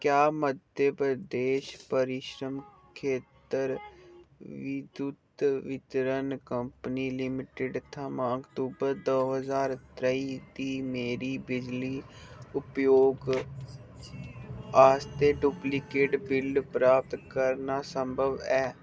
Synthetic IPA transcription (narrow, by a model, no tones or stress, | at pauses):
kjaːməd̪ʱjəpɾəd̪eːʃpəɾɪʃɾəm | kʰeːt̪əɾ | ʋɪd̪ut̪ʋɪt̪ɾənkəmppəniːlɪmɪʈɪɖt̪ʰəmãːəkt̪uːbəɾd̪oːɦəzaːɾt̪ɾəiːd̪iːmeːɾiːbɪd͡ʒliːʊpjoːɡ | aːst̪eːɖuːplɪkeːʈbɪlɖpɾaːp̚t̪kəɾnaːsəmbʱəʋɛː